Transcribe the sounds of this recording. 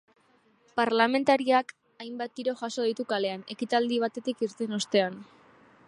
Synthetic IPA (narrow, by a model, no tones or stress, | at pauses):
paɾlame̞nt̪aɾiak | ajmbat̪̚d̪iɾo̞ʝaso̞ð̞it̪ukale̞ane̞kit̪ald̪iβat̪e̞t̪ikiɾt̪e̞no̞st̪e̞an